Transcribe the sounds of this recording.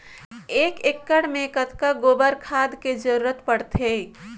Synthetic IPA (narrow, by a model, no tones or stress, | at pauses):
eːkekːəɽmẽkət̪kaɡoːbəɾkʰaːd̪ked͡ʒəɾuɾət̪pəɽt̪ʰe